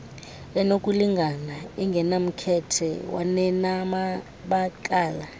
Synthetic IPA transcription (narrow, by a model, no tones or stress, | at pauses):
ɛnok̬ʼuliŋɡʱanaiŋɡʱɛnam̩kʰɛtʰɛ̰wa̰nɛnama | ɓakʼaːla